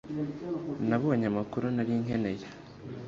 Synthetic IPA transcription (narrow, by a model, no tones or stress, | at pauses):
naβoβaɲamakuɾunaɾiːŋɦe̞ne̞je